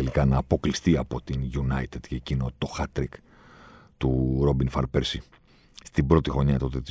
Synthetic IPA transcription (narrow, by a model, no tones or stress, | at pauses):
elikɐnɐːpo̞klist̪iɐpo̞t̪inʝunɐjt̪ed̪ceːcino̞t̪o̞xɐt̪ɾik | t̪uɾo̞binfɐɾpeɾsi | st̪ibɾo̞t̪ixɾo̞ɲɐt̪o̞t̪et̪i